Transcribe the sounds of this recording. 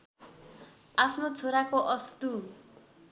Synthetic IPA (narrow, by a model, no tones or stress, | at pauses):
apʰnot͡sʰoɾakoʔʌst̪u